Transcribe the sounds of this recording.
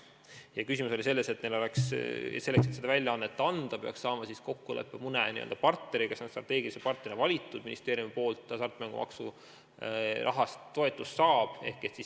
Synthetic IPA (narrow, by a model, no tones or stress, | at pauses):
jɑkys̬ʲimuso̞lise̞lːese̞t̪nelo̞leksse̞lːekset̪sed̪ɑvælʲjɑɑnːet̪ːˑɑnd̪̥ɑpe̞ɑ̰ksːɑːmɑsisko̞kːulḛpːemunenḭḛld̪ɑpɑrt̪ne̞ɾikesonst̪rɑt̪ːˑe̞ːɡilisepɑrt̪nerinevɑlʲit̪ːˑud̪̥minist̪e̞ːɾjumipo̞ːlt̪ːˑɑsɑrt̪ːˑmæŋɡ̥ṵmɑ̰ksu | rʔɑ̰ɦɑst̪t̪ːo̞et̪ˑːusːɑːb̥e̞̰hke̞t̪sis